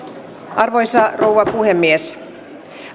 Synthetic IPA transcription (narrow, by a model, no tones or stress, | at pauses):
ʔɑrʋojsɑrowʋɑpuɦemːies